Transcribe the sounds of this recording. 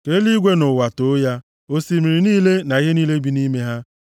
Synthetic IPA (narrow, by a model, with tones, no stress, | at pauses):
ke˦li˦ɡʷe˦nʊ˨wa˨to˦ja˦ | o˦si˦mi˨ɾi˨niː˦le˦na˨ɣe˦niː˦le˦bi˦ni˦me˦ɦa˦